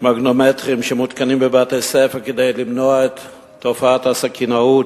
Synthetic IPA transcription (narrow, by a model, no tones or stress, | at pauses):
maɡno̞metʁimʃemut̪kanimbebaːtesefakede̞jlimnoaet̪ː | o̞faatasakʰinaut